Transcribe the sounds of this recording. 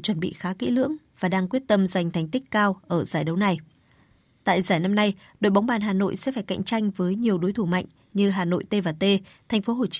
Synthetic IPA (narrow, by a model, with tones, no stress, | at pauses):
t͡ɕwə˧˩nɓḭ˧˨xaː˨˦kḭ˧˥lɨ̰˧˥əŋvaː˨˩ɗaː˧ŋkwi˦˥ət̚t̪ə˧mza˨˩jŋ̟t̪ʰɛ˨˩jŋ̟t̪ï˦˥k̟̚kaː˧wʔəː˧˩zaː˧˩jɗə˨˦wna˨˩j | t̪a̰ː˧˨jzaː˧˩jna˧mna˧j | ɗo̰˧˨jɓa˨˦wŋ͡mɓaː˨˩nɦaː˨˩no̰˧˨jsɛ̰˧˥faː˧˩jka̰˧˨jŋ̟t͡ɕa˧jŋ̟vəː˨˦jɲi˨˩əwɗo˨˦jt̪ʰu˧˩ma̰˧˨jŋ̟ | ɲɨ˧ɦaː˨˩no̰˧˨jt̪e˧vaː˨˩t̪e˧t̪ʰa˨˩ŋ̟fo˨˦ɦo˨˩t͡ɕ